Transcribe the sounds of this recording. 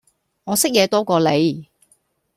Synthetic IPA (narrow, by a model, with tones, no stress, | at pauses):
ŋɔː˨˧sɪ˥k̚jɛː˨˧t̪ɔː˥kɔː˧le˨˧j